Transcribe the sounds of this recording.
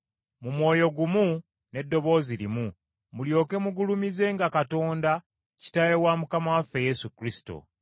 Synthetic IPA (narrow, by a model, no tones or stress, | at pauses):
mumwo̞ːjo̞ɡumu | ne̞dːo̞βo̞ːziɾimu | muljo̞ːke̞muɡulumize̞ːŋɡakato̞ːnda | ci̥tajewamukamawafːe̞je̞sukɾisi̥to̞̰